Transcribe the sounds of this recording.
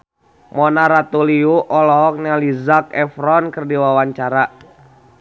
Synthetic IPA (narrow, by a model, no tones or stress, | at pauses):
mɔnaɾat̪uliuʔɔlɔɦɔk̚nɛlizak̚ɛfɾɔnkərdiwawaɲt͡ʃaɾa